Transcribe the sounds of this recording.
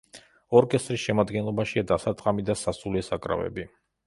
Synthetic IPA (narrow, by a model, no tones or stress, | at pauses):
ɔɾkʼɛst̪ʼɾisʃɛmad̪ɡɛnlˠɔbaʃiad̪asat̪ʼqʼamid̪asasulɛsakʼɾa̰vɛ̰bi